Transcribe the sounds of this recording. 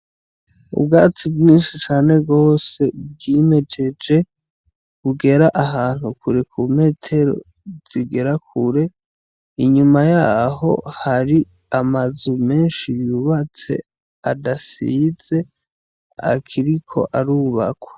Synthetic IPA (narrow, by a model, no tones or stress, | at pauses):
ṵbɡaːt͡sibɡiːnʃit͡ʃaːne̞ɡo̞ːse̞b̚ɡime̞d͡ʒe̞d͡ʒe̞ | kuɡe̞ɾaʔaɦaːn̥hukuɾekʰum̥e̞ːtʰe̞ɾo̞̰ | z̥iɡe̞ɾakʰuɾe̞ | iɲumajaːɦo̞̰haɾi | amazume̞ːnʃijuβat͡se̞̰ | adasize̞ | a̰kʰiɾikʰo̞̰ʔaɾuβakwḁ